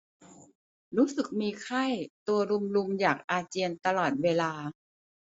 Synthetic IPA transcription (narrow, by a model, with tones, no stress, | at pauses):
ɾuː˦˥sɯ˨˩k̚miː˧kʰa˥˩jt̪u˧ɐɾu˧mlu˧mjaː˨˩k̚ʔaː˧t͡ɕi˧ənt̪a˧lɔː˨˩t̪̚weː˧laː˧